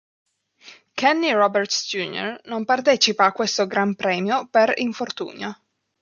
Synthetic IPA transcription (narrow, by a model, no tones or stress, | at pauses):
kɛnːiɾɔbɛrt̪sd͡ʒ̪uːno̰rnompart̪ɛːt͡ʃipaːkːwest̪oɡɾampɾɛːmjopeɾiɱfort̪ṵːɲa